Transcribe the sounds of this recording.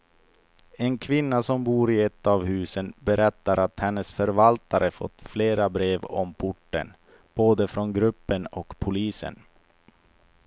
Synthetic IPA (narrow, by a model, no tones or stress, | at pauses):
ɛnkʰvɪnːasɔmbuːɾɪɛt̪ːavhʉ̟ːsənbɛɾɛt̪ːaɾʔat̪hɛnːəsfœɾvalt̪aɾʔəfɔ̰t̪ːfleːɾabɾeːvɔ̰mpʰʊʈːə̰n | b̥oːd̪əfɾɔnɡɾɵpːənɔkpʰʊliːsə̰n